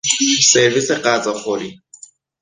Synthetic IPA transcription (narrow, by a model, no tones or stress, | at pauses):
sebɪsɪqʼat͡sʼaχʊdɪ